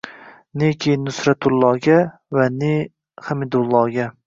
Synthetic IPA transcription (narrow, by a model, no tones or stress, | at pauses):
nekʲʰejɪnːʊsɾat̪ʰʊlˠːɒːɡʲa | vane | hamɪd̪ʊlˠːɒːɡʲa